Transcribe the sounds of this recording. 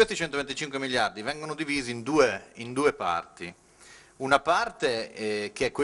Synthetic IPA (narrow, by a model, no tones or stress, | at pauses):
west̪it͡ʃɛnt̪ovent̪it͡ʃiŋkwemiʎjard̪ivɛŋɡonod̪iviːziːnd̪uːeind̪uːepa̰rt̪i | unapart̪ek̟eɛkːwe